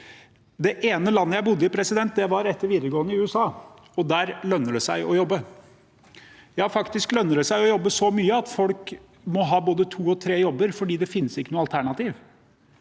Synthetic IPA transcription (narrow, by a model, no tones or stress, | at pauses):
d̪ɛʔeːnəlɑnːəjæɪbʊd̪ːəɪpʰɾɛsɪd̪ɛnt̪̚d̪ɛʋɑɾɛt̪ːəɾʋiːd̪əɾɡoːənəɪʉːəsɑː | ɔd̪æːɾlœnːəɖɛsæɪʔɔjɔbːə | jæɑɾfɑkt̪ɪsklœnːəɖɛsæɪɔjɔbːəsɔmyːəɑt̪fɔlk | mɔɦɑːboːd̪ət̪ʰuːɔt̪ʰɾeːjɔbːəɾfɔɖiːd̪ɛfɪnːəsɪkːənuːɑlt̪ʰæɳɑt̪iːʋ